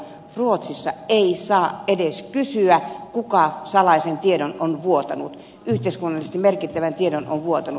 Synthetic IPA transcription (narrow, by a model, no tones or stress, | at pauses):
ruot̪sisːɑeisɑːedeskysyækukɑsɑlɑisent̪iedononʋuot̪ɑnṵt̪ | yht̪eiskunːɑlist̪imerkit̪ːæʋænt̪iedono̰nʋuot̪ɑnu